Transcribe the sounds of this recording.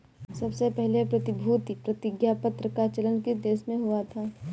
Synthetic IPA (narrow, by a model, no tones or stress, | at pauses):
sɐbsepɛɦlepɾɐt̪ɪbʱuːt̪ipɾɐt̪ɪɡjapət̪ɾəkat͡ʃələnkid̪eːʃmẽɦʊat̪ʰaː